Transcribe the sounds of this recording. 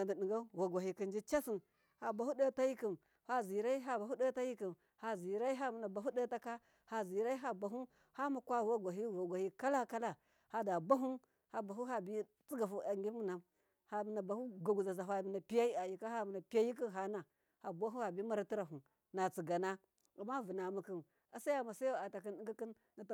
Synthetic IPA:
a˨ndi˨ɗi˨ŋɡa˦wa˨ɡʷa˨i˨ki˨nd͡ʒi˦t͡ʃa˦si˨n | ha˨ba˨hu˦da˦ta˦ji˦ki˨m | ha˦zi˨ɾa˦i˦ɦa˨ba˨ɦu˦da˦ta˦ji˦ki˨m | ha˨zi˨ɾa˦i˦ɦa˦mi˨na˨ba˨ɦu˦da˦ta˦ka˦ | ha˨zi˨ɾa˦i˦ɦa˨ba˨ɦu˦ | ha˦ma˨kʷa˦˨wa˦ɡʷa˨ɦi˦wa˨ɡʷa˨hi˦ka˦la˦ka˦la˦ | ha˦da˨ba˦ɦu˦ | ha˨ba˨ɦu˦ɦa˦˨bi˦ | t͡si˦ɡa˨fu˦a˨ŋɡʲi˦mu˦na˨m | ha˨mi˨na˨ba˨hu˦ɡa˨ɡu˨za˨za˨fa˨mi˨na˨pi˦ja˦i˦a˨ji˨ka˦a˦mi˨na˨pi˦ja˦ji˦k̬i˦nɦa˨na˨ | ha˨bʷa˦ɦu˦ha˨bi˦ma˦ɾa˦ti˦ɾa˨ɦu˨ | na˨t͡si˨ɡa˨na˦ | a˨mːa˦vu˨na˨mu˨ki˦˨n | a˨sa˦ja˦ma˨sa˦ja˦˨a˨ta˨k̬i˦ni˦ŋɡi˦ki˦n | na˨t

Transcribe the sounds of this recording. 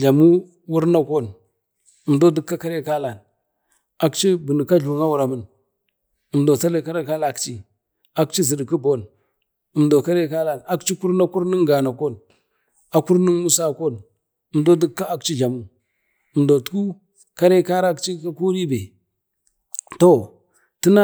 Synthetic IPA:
ɮa˨mu˦ | wu˦ɾna˦ko˦˨n | ə˨mdo˦di˦kːa˦ka˦ɾe˦ka˦la˨n | a˨kt͡ʃi˦bi˨ni˨ka˦ɮu˨ŋa˦wu˨ɾa˨mə˦n | ə˨mdo˨t͡sa˦le˦ka˦ɾe˦ka˦la˦˨kt͡ʃi˦ | a˦kt͡ʃi˦zi˨dki˦bo˦n | ə˨mdo˨ka˦ɾe˦ka˦la˨na˦kt͡ʃi˦ku˦ɾna˦ku˦ɾni˦ŋɡa˨na˨ko˦˨n | a˨ku˦ɾni˦nmu˦sa˦˨ko˦n | ə˨mdo˦di˦kːa˦a˦kt͡ʃi˦d͡ʒa˨mu˦˨ | ə˨mdo˨tu̥˦ku˦ | ka˦ɾe˦ka˦ɾa˦kt͡ʃi˦ka˦ku˦ɾi˦be˨ | to˦˨ | ti˦na˦

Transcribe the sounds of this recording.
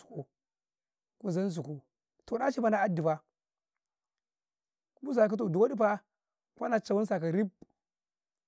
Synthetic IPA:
u̥˨ku˨ | ku˨za˦n˦zu˨ku˨ | to˨ɗa˦ʃi˦pa˦na˦a˦di˨pa˦˨˦ | bu˦s̬a˨ka˦t̬o˨du˨wa˦di˦pa˦ | kʷa˦na˨t͡ʃa˨wu˦ns̬a˨ka˨ɾi˦b̚

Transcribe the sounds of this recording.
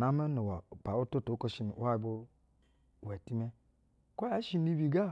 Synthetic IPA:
na˦me˦no˨wa˨pa˨o˦to˦to˨˦ko˦ʃi˦n˨˦a˦i˨bo˦˨ | we˨ti˦me˦ | ko˦ja˨˦ʃi˦ni˦bi˨ɡa˦˨

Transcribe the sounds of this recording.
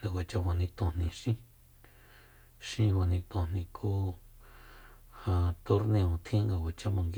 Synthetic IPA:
a˨wʷa˨t͡ʃa˧wʷa˨nĩ˧t̪õ˧˨nĩ˨ʃĩ˦ | ʃĩ˧wa˨nĩ˧t̪õ˧nĩ˧kʰu˦ | hã˧t̪o˧ɾnẽ˧õ˨t̪ʰĩ˦ŋɡa˧wʷa˨t͡ʃa˧mã˨ŋɡ

